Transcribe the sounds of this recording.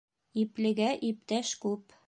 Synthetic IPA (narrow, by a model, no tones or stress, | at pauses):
iplɘ̆ɡæʔip̚t̪æʃkʉp